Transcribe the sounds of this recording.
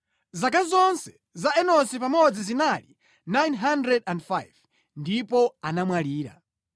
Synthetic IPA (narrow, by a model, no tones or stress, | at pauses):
zakazɔnsɛ̥ | zaɛnɔsipamɔɔd͡zizinalḭ | najnɦandɾɛdandfajv | ndipɔanamwaliːɾa̰